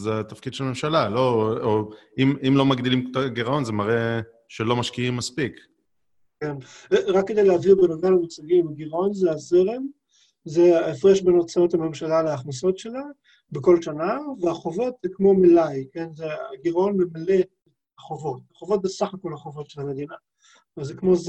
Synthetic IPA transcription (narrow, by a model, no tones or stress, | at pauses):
zeat̪afkid̪ʃelme̞mʃalalo̞oimimlo̞maɡd̪ilimkotaɡiʁao̞nzemaʁe | ʃelo̞maʃkiimːaspik | kenʁakːe̞d̪ejleavibenovamamut͡saɡimaɡiʁao̞nzeazeʁem | zeefʁeʃbeno̞t͡saot̪hame̞mʃalaleːχnaso̞tʃe̞la | beko̞lʃanaveaχovo̞t̪zekmo̞milajkenzeaɡiʁao̞nmemaletet | aχovo̞t̪aχovo̞t̚besaχako̞laχo̞vo̞tʃelame̞d̪ina | vazekmo̞z